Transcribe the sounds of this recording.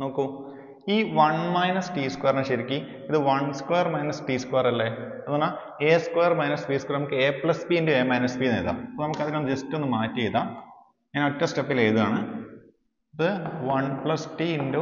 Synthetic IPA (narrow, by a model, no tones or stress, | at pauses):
no̞ːkːu | iːʋɐɳmɐjnɐsʈiːskweːrneɕeɾikʲːi | iðɨʋɐɳskwejɐrmɐjnɐsʈiːskweːrɐlːeɐðunːa | eːskwejːɐrmɐjnɐsbiskwernɐmukːɨeːplɐsbiindeeːmɐjnɐsbiːneːða̰ːmipːonɐmukːɐðinumːd͡ʑestːo̞nːɨmaːtːijejðaːm | eːnotːɐsʈepːileːjðuaːɳɨ | iðɨʋɐɳpɭɐsʈiinde